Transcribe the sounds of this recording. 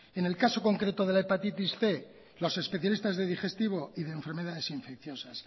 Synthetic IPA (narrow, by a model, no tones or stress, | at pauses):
e̞ne̞lkaso̞ko̞ŋkɾe̞t̪o̞ðelaepat̪it̪isθe̞ | lo̞se̞spe̞θjalist̪azðe̞ðixe̞st̪iβo̞iðeːɱfeɾme̞ðaðe̞siɱfe̞k̚θjo̞sas